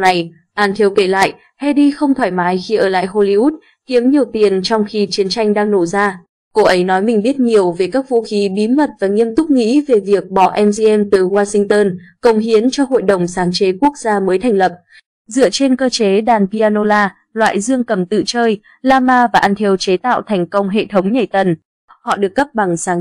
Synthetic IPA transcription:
na˨˩j | ʔaː˧nt̪ʰi˧əwke˧˩la̰ː˧˨jʔ | ha˧jɗi˧xə˧wŋ͡mt̪ʰwaː˧˩jmaː˨˦jxi˧ʔəː˧˩la̰ː˧˨jho˧li˧ʔu˦˥t̚ | hi˨˦əmɲi˨˩əwt̪i˨˩ənt͡ɕɔ˧wŋ͡mxi˧t͡ɕi˨˦ənt͡ɕa˧jŋ̟ɗaː˧ŋno˧˩zaː˧ | ko˧ʔə˨˦jnɔ˨˦jmï˨˩ŋ̟ɓi˦˥ət̚ɲi˨˩əwve˨˩kaː˦˥k̚vṵ˧˥xi˨˦ɓi˨˦mə˨˩t̚vaː˨˩ŋi˧əmt̪ʊ˦˥k͡p̚ŋḭ˧˥ve˨˩vi˨˩ək̚ɓɔ̰˧˨ʔɛ˧mzi˧ʔɛ˧mt̪ɨ˨˩waː˧sï˧ŋ̟t̪əː˧nkə˨˩wŋ͡mɦi˨˦ənt͡ɕɔ˧ɦo̰˧˨jɗə˨˩wŋ͡msaː˨˦ŋt͡ɕe˨˦ku˦˥ək̚zaː˧məː˨˦jt̪ʰɛ˨˩ŋ̟lə˨˩p̚ | zɨ̰˧˨ət͡ɕe˧nkəː˧t͡ɕe˨˦ɗaː˨˩npi˧aː˧no˧laː˧ | lwa̰ː˧˨jzɨ˧əŋkə˨˩mt̪ɨ̰˧˨t͡ɕəː˧j | laː˧maː˧vaː˨˩ʔa˧nt̪ʰi˧əwt͡ɕe˨˦t̪a̰ː˧˨wt̪ʰɛ˨˩jŋ̟kə˧wŋ͡mɦḛ˧˨t̪ʰə˨˦wŋ͡mɲə˨˩jt̪ə˨˩n | hɔ̰˧˨ɗɨ˨˩əkːə˦˥p̚ɓa˨˩ŋsaː˨˦

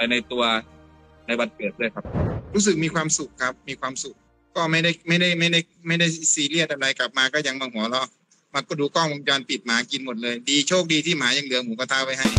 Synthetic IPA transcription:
pa˧jna˧jt̪u˧ɐ | na˧jba˧t̪̚kɤː˨˩t̪̚duː˥˩əjkʰa˦˥p̚ɾuː˦˥s̬ɯ˨k̚miː˧kʰwaː˧msu˨˩k̚ʰːa˦˥p̚miː˧kʰwaː˧msu˨˩k̚ | kɔː˥˩ma˥˩jda˥˩jma˥˩jda˥˩jma˥˩jda˥˩j | ma˥˩jda˥˩jsiː˨˩li˥˩t̪ʔa˧da˧jka˨˩p̚maː˧kɔː˥˩ɲa˧ŋma˧ŋhu˩˦ɐ˦lɔ˧˥˩ | ma˧˥kɔː˧˩duː˧kɔː˥˩ŋ˧t͡ɕɔː˧npi˨˩t̪̚maː˨˦ki˧nmo˨˩t̪̚lɤː˧jdiː˧t͡ɕʰoː˥˩k̚diː˧t̪ʰiː˥˩maː˨˦ja˧ŋlɯ˨˩˦ɐmuː˨˦pa˧t̪ʰaː˧˩wpa˧˩jɦa˥˩j

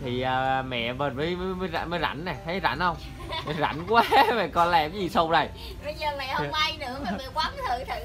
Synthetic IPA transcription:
t̪ʰi˨˩ʔəː˨˩˨mɛ̰˧˨mə˨˩məː˨˦jmə˨˦məː˨˦jza̰˧˩məː˨˦jza̰˧˩˦nna˨˩t̪ʰə˨˦za̰˧˥nhə˧wŋ͡m | za̰˧˩˦nkwaː˦mə˨˩kɔ˧nlaː˧˩kə˨˦zi˨˩sə˧wŋ͡mza˨˩j | ə˧˦ɲəː˨˩mɛ̰˧˨hə˧wŋ͡mʔa˧jnɨ̰˧˥əma˨˩vi˨˧˨kwaː˨˦˥m˨˦t̪ʰɨ̰˧˨t̪ʰɨ˧˨

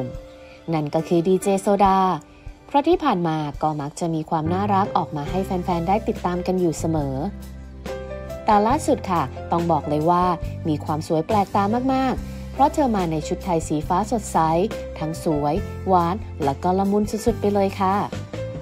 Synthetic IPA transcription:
na˥˩nkɔː˥˩kʰɯː˧diː˧t͡ɕeː˧soː˧daː˧ | pʰɾɔ˦˥t̪ʰiː˥˩pʰaː˨˩nmaː˧kɔː˥˩ma˦˥k̚t͡ɕa˨˩ʔmiː˧kʰwaː˧mnaː˥˩ɾa˦˥k̚ʔɔː˨˩k̚maː˧ɦa˥˩jfɛː˧nfɛː˧ndaː˥˩jt̪i˨˩t̪ːaː˧mka˧njuː˨˩sa˧mɤː˩˦ | t̪ɛː˨˩laː˥˩su˨˩t̪̚kʰa˥˩t̪ɔ˥˩ŋbɔː˨˩k̚lɤː˧jwaː˥˩miː˧kʰwaː˧msu˨˩˦jplɛː˨˩k̚t̪aː˧maː˥˩k̚maː˥˩k̚ | pʰɾɔ˦˥t̪ʰɤː˧maː˧na˧jt͡ɕʰu˦˥t̪ʰːa˧jsiː˩˦faː˦˥so˨˩t̪̚sa˦˥jt̪ʰa˦˥ŋsu˩˦əj | waː˦˥n | lɛ˦˥kɔː˧˩la˧mu˧nsu˨˩su˨˩t̪̚pa˧jlɤː˧jkʰa˥˩

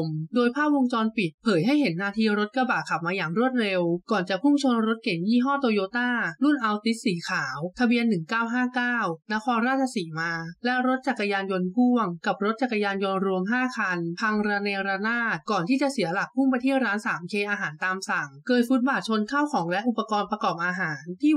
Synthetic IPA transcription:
mdoː˧jpʰaː˥˩p̚wo˧ŋt͡ɕɔː˧npi˨˩t̪̚pʰɤː˩˦jɦa˥˩jɦe˩˦nːaː˧t̪ʰiː˧ɾo˦˥t̪̚ka˧baː˨˩kʰa˨˩p̚maː˧jaː˨˩ŋɾu˥˩ət̪̚ɾe˧wkɔː˨˩nt͡ɕa˨˩pʰu˥˩mt͡ɕʰo˧nɾo˦˥t̪̚ke˨˩˦ŋjiː˥˩ɦɔː˥˩t̪oː˧joː˧˥t̪aː˥˩lu˥˩nʔa˧wt̪i˦˥t̪̚siː˩˦kʰaː˩˦wt̪ʰa˧bi˧ənːɯ˨˩ŋkaː˥˩wɦaː˥˩kaː˥˩wna˦˥kʰɔː˧nɾaː˥˩t̪̚t͡ɕʰa˧siː˩˦maː˧lɛ˦˥ɾo˦˥t̪̚t͡ɕa˨˩kːa˧jaː˧njo˧npʰu˥˩əŋka˨˩p̚ɾo˦˥t̪̚t͡ɕa˨˩ka˧jaː˧njo˧nɾu˧əmɦaː˥˩kʰa˧np̪ʰa˧ŋɾa˧nɛː˧wɾa˧naː˥˩t̪̚kɔː˨˩nt̪ʰiː˥˩t͡ɕa˨˩ʔsi˨˩˦ɐla˨˩k̚pʰu˥˩mpa˧jt̪ʰiː˥˩ət̚ɾaː˦˥nsaː˩˦mkʰeː˧ʔaː˧ɦaː˩˦nt̪aː˧msa˨˩˦ŋkɤː˧t̪̚fu˦˥t̪̚baː˨˩t̪̚t͡ɕʰo˧nkʰaː˥˩wkʰɔː˩˦ŋlɛ˦˥ʔu˨˩pːa˧kɔː˧npɾa˧kɔː˨˩p̚ʔaː˧ɦaː˩˦nt̪ʰiː˥˩

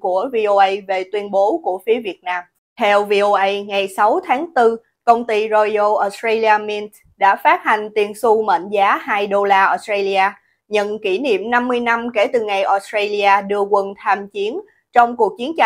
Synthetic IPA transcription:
ku˧˩əvi˧ʔo˧ʔə˧jve˨˩t̪wi˧ənɓo˨˦ku˧˩əfi˨˦əvi˨˩ət̚naː˧m | t̪ʰɛ˧wvi˧ʔo˧ʔə˧jŋa˨˩jsa˨˦wt̪ʰaː˨˦ŋt̪ɨ˧ | kə˧wŋ͡mt̪i˧zo˧jo˧ʔɔ˨˦˥stɹa˧li˧aː˧mi˧n | ɗa̰ː˧˥faː˦˥t̚ha˨˩jŋ̟t̪i˨˩ənsu˧mə̰˧˨nzaː˨˦haː˧jɗo˧laː˧ʔɔ˨˧˥stɾa˧li˧ʔaː˧ | ɲə̰˧˨nki˧˩nḭ˧˨əmna˧mːɨ˧əjna˧mke˧˩t̪ɨ˨˩ŋa˨˩jʔɔ˧˦stɾe˧li˧aː˧ɗɨ˧əkwə˨˩nt̪ʰaː˧mt͡ɕi˨˦ən | t͡ɕɔ˧wŋ͡mku˨˩ək̚t͡ɕi˨˦ənt͡ɕa˧

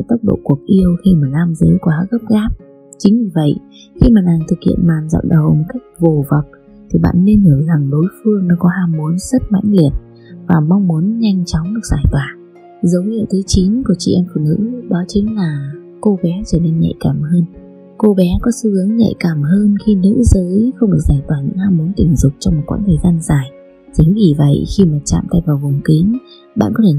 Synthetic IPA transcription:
t̪ə˦˥k͡p̚ɗo̰˧˨ku˧˩ək̚ʔi˧əwxi˧maː˨˩laː˧mzəː˨˦jkwaː˨˦ɣə˦˥p̚ɣaː˦˥p̚ | t͡ɕï˨˦ŋ̟vi˧˩və̰˧˨j | xi˧maː˨˩naː˨˩ŋt̪ʰɨ˨˩k̚hḭ˧˨ənmaː˨˩nzɔ̰˧˨ŋ͡mɗə˨˩wmo˨˩t̚ka˦˥jk̚vo˨˩va˨˩wk͡p̚ | t̪ʰi˨˩ɓa̰ː˧˨nːe˧nhəː˧˩za˨˩ŋɗo˨˦jfɨ˧əŋnɔ˨˦kɔ˨˦ɦaː˧mːu˨˦ənzə˦˥t̚ma̰˧˥jŋ̟li˧˩ən | vaː˨˩ma˧wŋ͡mmu˨˦ənɲa˧jŋ̟t͡ɕɔ˨˦wŋ͡mɗɨ˨˩ək̚zaː˧˩jt̪waː˨˩ | zə˨˦wɲḭ˧˨t̪ʰɨ˨˦jt͡ɕi˨˦nku˧˩t͡ɕḭ˧˩ʔɛ˧mfṵ˧˩nɨ̰˧˥ɗɔ˨˦t͡ɕï˨˦ŋ̟laː˨˩ | ko˧ɓɛ˨˦t͡ɕəː˧˩ni˧nɲɛ̰˧˨jkaː˧˩mhəː˧n | ko˧ɓɛ˨˦kɔ˨˦sɨ˧hɨ˨˦əŋɲɛ̰˧˨jkaː˧˩mɦəː˧nxi˧nɨ̰˧˥zəː˨˦jxə˧wŋ͡mɗɨ˨˩k̚zaː˧˩jt̪waː˧˩ɲɨ̰˧˥ŋhaː˧mːu˨˦nt̪ï˧˩ŋ̟zʊ˨˩k͡p̚t͡ɕɔ˧wŋ͡mmo˨˩kw̰ːnt̪ʰəː˨˩jzaː˧nzaː˨˩j | zə˨˦ŋɣi˧˨˩və̰˧˨jxi˧maː˨˩t͡ɕa̰ː˧˨mt̪a˧jvaː˨˩wvʊ˨˩ŋ͡mkï˨˦ŋ | ɓa̰ː˧˨nkɔ˨˦t̪ʰe˧˩

